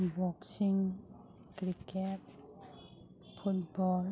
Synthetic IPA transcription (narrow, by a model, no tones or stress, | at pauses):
wɔk̚siŋ | kɾikɛp̚ | fut̚bɔːl